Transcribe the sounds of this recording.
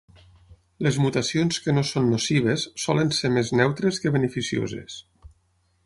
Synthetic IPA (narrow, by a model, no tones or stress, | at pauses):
lezmut̪asionskənosonːosiβ̞esːɔlənsemeznɛwt̪ɾeskəβənəfisio̰zḛs